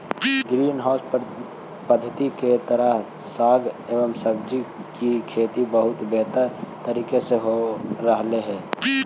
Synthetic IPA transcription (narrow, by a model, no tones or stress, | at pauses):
ɡɾiːnɦaʊsp | pəd̪ʱət̪iket̪əɾəɦ | saːɡeːʋəmsəbd͡ʒikikʰeːt̪ibəɦʊt̪beɦt̪əɾt̪əɾiːkeseɦoɾəɦleɦɛː